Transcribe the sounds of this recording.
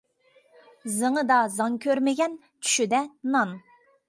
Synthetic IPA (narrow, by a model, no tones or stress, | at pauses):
zɨŋəd̪ɑzɑŋkʲʰøɾmɪɡʲɛn | t͡ʃʰy̥ʃyd̪ɛnɑn